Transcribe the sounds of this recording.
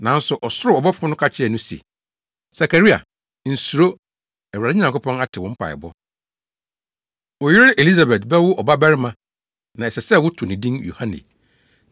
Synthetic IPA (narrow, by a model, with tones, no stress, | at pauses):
nã˨˦n̩˦sʊ˨ʔɔ˨sʊ˦ɾʊ˨ɔ˨bɔ˦fʊ̃˦nʊ̃˦kʰa˦t͡ɕʰɪ˦ɛ˨nʊ̃˦sḛ˨ | sa˨kʰa˨ɾi˦a̰˨ | n̩˨su˨ɾo˦ | ɛ˨wa˨ɪ˦ɲ˨ã˨ŋkʊ˦pʰɔ̃˦na˦tʰɪ˨wɔ̃˨m̩˦pʰa̰˨ɪ̰˨bɔ˦ | wɔ˨jɪ˦ɾɪ˦ʔe˨li˦sa˨bɛ˨tbɛ˦wʊ˦ʔɔ˨ba˦bɛ˦ɾɪ˦mã˦ | nã˨ɛ˨sɛ˨sɛ˦˨wʊ˦tʰʊ˨nĩ˨dĩ˦njṵ˨hã˦nḭ̃˨